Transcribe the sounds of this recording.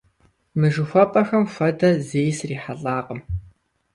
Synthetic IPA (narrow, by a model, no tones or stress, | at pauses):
mɨʒɨxʷɔpʼɐxɐmxʷɐdɐzeːjsriːħaɬʼaːqʼəm